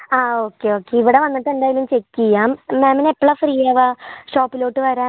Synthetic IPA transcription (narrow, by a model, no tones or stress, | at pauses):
aːo̞ːkːe̞o̞ːkːeiʋiɽeʋɐnːɐʈ̪ːend̪aːjɡilumt͡ɕe̞kːijaːmmeːmɐnepːɐɭɐfriːjaːʋaːʂoːpːilo̞ːʈːɨʋɐɾaː